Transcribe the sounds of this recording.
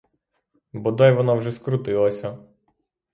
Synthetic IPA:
bɔd̪ɑjʋɔnɑwʒɛskɾʊt̪ɪlˠɐsʲɐ

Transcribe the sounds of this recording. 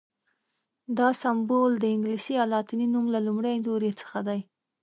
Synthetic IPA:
d̪ɑsambold̪əɪŋɡlisiɑlɑt̪ininumlalumɽajnzoɾet͡sə̥xad̪aj

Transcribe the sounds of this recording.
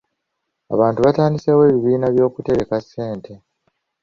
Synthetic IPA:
a̰βaːntuβataːndisewe̞ːβiβiːnaβjo̞ːkute̞ɾe̞kasːe̞ːntʰe̞

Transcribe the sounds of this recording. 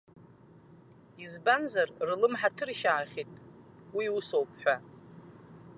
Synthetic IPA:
izbanzarrlɨmħatʰɨrʃaːχʲitʼ | wiusowpʰħʷᶣa

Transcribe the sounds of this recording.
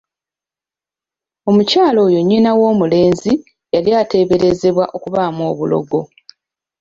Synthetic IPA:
o̞mucaːlo̞ːjo̞ɲːinawo̞ːmule̞ːnzi | jaljaːte̞ːβe̞ɾe̞ze̞βwaʔo̞kuβaːmo̞ːβulo̞̰ɡo̞

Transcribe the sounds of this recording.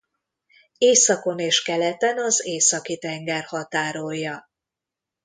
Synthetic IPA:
eːsɒko̞neːʃkɛlɛt̪ɛnɒzeːsɒkit̪ɛŋɡɛrhɒt̪aːɾojːɒ

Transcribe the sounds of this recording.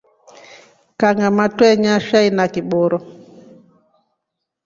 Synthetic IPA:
kaŋɡamatwɛɲaʃainakiɓɔɾɔ

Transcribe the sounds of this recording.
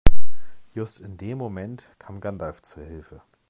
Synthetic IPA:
jʊstɪndeːmːomɛntkʰaːmɡandaft͡suɐhɪlfə

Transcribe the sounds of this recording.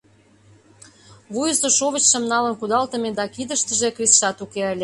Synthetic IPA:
βujəsoʃoβət͡ɕʃə̆mnɑlənkud̪ɑlt̪ə̆med̪ɑkid̪ə̆ʃt̪ə̆ʒekrisʃɑt̪ukeəlʲe

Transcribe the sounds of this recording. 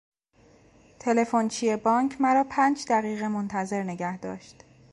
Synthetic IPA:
t̪ʰe̞le̞font͡ʃʰijebɒːŋcʰmæɾɒːpʰæːnd͡ʒd̪æɣiːɣemont̪ʰæze̞ɾne̞ɟæhd̪ɒ̰ːʃt̪

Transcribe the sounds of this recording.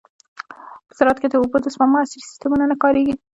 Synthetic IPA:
pə̥zɑɾɑt̪ked̪əobod̪əsmamʊasɪɾisɪ̥st̪əmunanakɑɾeɡi

